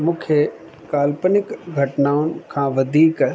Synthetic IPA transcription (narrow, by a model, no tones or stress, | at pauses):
mʊkʰjə | kaːlpənɪkɡʱɐʈnaːʊnkʰãːʋɐd̪ʱiːk